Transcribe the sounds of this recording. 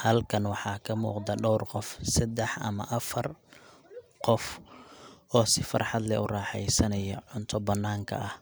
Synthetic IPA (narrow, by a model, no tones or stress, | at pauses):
hɐlkʰɐnwɑħɑːkʰɐmṵːqd̪ɐɖɔwrqɔfsɐd̪ɛħʔɐ̰mɐ̰ʔɐfɐr | qɔf | ʔɔːsɪfɐ̰rħɑd̪lɛʔʊrɑːħɛjsɐnɐjɔ̰ʕʊnt̪ʰɔbɐnːaːŋkʰɐ̰ʔɐh